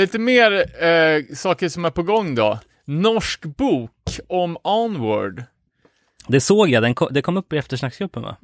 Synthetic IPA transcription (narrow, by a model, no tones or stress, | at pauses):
liːt̪əmeːɾ | sɑːkəʂɔmæɾpɔɡɔŋːd̪ɔ̰ | nɔʂkbuːkɔmɑnwœ̰ɖ | d̪ɛsoːɡjad̪ɛnkʰɔd̪ɛkʰɔmːɵpːɪɛft̪əʂɳakːsɡɾɵpːənvɑ̰